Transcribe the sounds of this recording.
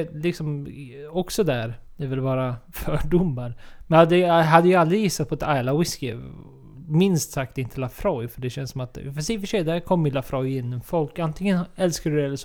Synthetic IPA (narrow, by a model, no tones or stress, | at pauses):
lɪksɔmɔksɔd̪æɾd̪ɛvɪlvɑːɾafœɖʊmːaɾmɛnad̪ːɛɦad̪ːəjɑald̪ɾɪjɪsːat̪̚pʰɔɛt̪ʰajlawɪskɪ̰ | mɪnst̪sak̚t̪ɪnt̪ʰəlafɾɔjfœɖɛɕɛnsɔmat̪fɛsɛfœʂɛjd̪æɾkʰɔmːɪlafɾʔɔjɪnːɔmfɔlkant̪ʰɪŋənɛlskadɵdɛɛlːəʂ